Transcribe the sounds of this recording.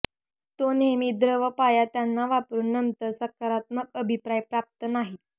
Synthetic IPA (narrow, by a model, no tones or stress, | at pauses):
t̪onemiːd̪ɾəʋəpajat̪janːaʋapɾuːnːənt̪əɾsəkaɾat̪̚məkəbʱipɾajpɾap̚t̪ənaɦi